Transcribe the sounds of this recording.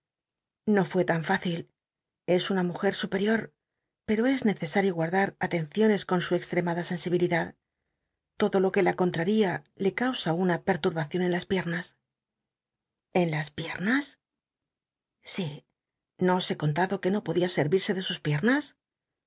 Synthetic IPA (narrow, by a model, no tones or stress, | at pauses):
no̞fwe̞t̪aɱfaθil | e̞sunamuxe̞ɾsupe̞ɾjo̞ɾ | pe̞ɾo̞e̞zne̞θe̞saɾjo̞ɣwaɾðaɾat̪e̞nθjo̞ne̞sko̞nsue̞kst̪ɾe̞maðase̞nsiβ̞iliðað | t̪o̞ðo̞lo̞ke̞lako̞nt̪ɾaɾiale̞kawsaunape̞ɾt̪uɾβaθjo̞ne̞nlaspje̞ɾnas | e̞nlaspje̞ɾnas | si | no̞se̞ko̞nt̪aðo̞ke̞no̞po̞ðiase̞ɾβiɾse̞ðe̞suspje̞ɾnas